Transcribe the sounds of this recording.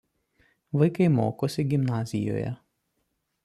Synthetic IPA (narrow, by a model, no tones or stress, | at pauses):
ʋɐɪkɐɪmoːkoːsʲɪɡʲɪmnɑːzʲɪjo̰ːjɛ̰